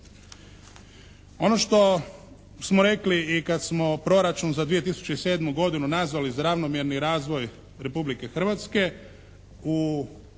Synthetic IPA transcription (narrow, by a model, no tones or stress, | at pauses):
o̞no̞ʃt̪o̞ | smoɾe̞kliːkad̪smo̞pɾo̞ɾat͡ʃunzad̪ʋie̞t̪isu̥t͡ɕeise̞ːd̪muɡo̞d̪inunazʋalizaɾaʋno̞mjeɾniɾaːzʋo̞j | ɾe̞publike̞xr̩ʋat̪ske̞ | u